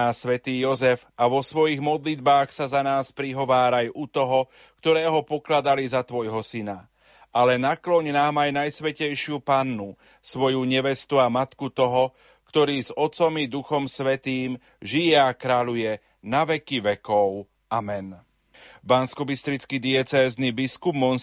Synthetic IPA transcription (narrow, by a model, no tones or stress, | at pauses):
aːsʋɛt̪iːjɔzɛvaʋɔsʋɔjiɣmɔd̪lid̪baːxsazanaːspɾiɦɔʋaːɾajut̪ɔɦɔ | kt̪ɔɾɛːɦɔpɔklad̪alizat̪ʋɔjɦɔsina | ʔalɛnaklɔɲnaːmajnajsʋɛcɛjʃɪupanːu | sʋɔjuɲɛʋɛst̪uamat̪kut̪ɔɦɔ | kt̪ɔɾiːzɔt͡sɔmid̪uxɔmsʋɛt̪iːm | ʒijɛakɾaʎujɛ | naʋɛkiʋɛkɔʊ | amɛn | banskɔbist̪ɾit͡skid̪iɛt͡sɛːznibiskubmɔn